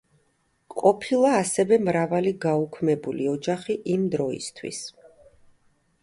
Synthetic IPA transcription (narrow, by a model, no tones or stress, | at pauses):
qʼɔpʰilˠaːsɛvɛmɾavaliɡaukʰmɛbuliɔd͡ʒaχiʔimd̪ɾɔḭst̪ʰwḭs